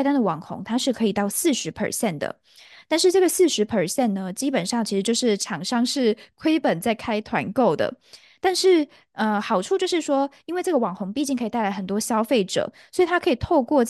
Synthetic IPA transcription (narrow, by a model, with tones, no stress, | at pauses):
ɪt̪a˥nd̪ə˨wɑ˨˩ŋxʊ̰˧˥ŋt̪ʰa˥ʂɻ̩˥˩kʰɤ˧˥i˨˩t̪ɑ˥˩ʊsɹ̩˥˩ʂɻ̩˧˥pʰə̰˨˩ɕjɛ˥˩nd̪ə̰˩ | t̪a˥˧nʂɻ̩˥˧ʈ͡ʂɤ˥˩ɡə˩sɹ̩˥˩ʂɻ̩˧˥pʰə˨˩ɕjɛ˥˩nːə˩t͡ɕi˥pə˨˩nʂɑ˥˩ŋt͡ɕʰi˧˥ʂɻ̩˧t͡ɕjo˥˧ʂɻ̩˥˩ʈ͡ʂʰɑ˨˩ŋʂɑ˥ŋʂɻ̩˥˩kʰwe˥ɪpə˨˩nt͡sa˥˩ɪkʰa˥ɪt̪ʰwa̰˧˥nko˥˩ʊd̪ə̰˩ | t̪a˥˧nʂɻ̩˥˩ | ə˧xɑ˨˩ʊʈ͡ʂʰu˥˧t͡ɕjo˥˧ʂɻ̩˥˩ʂwɔ˥i˥nwe˥˧ɪʈ͡ʂɤ˥˩ɡə˩wɑ˨˩ŋxʊ˧˥ŋpi˥˧t͡ɕi˥˩ŋkʰi˨˩t̪a˥˩ɪla˧˥ɪə˨˩nt̪wɔ˥ɕjɑ˥ʊfe˥˩ɪʈ͡ʂɤ̰˨˩swɔ˧˥i˨˩t̪ʰa˥kʰɤ˧˥i˨˩t̪ʰo˥˧ʊkwɔ˥˧